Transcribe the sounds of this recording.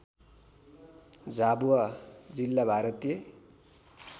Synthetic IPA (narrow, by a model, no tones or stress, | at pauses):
d͡zabuad͡zilːabʱaɾʌt̪je